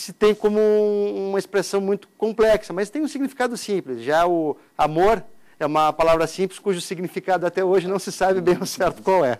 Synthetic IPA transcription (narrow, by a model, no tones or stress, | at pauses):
sɪt̪ẽj̃kõmʊuuũmɐespɾesɐ̃w̃mũj̃t̪ʊ̥kõmplɛksɐmɐst̪ẽj̃ũsiɡnifi̥kad̪ʊsĩplɪsʒaʊ | amoɾ | ɛũmɐpalavɾɐsĩplɪskuʒʊsiɡnifikad̪ʊat̪ɛoʒɪnɐ̃w̃sɪsabɪbẽj̃ʊsɛɾt̪ʊ̥kwawɛ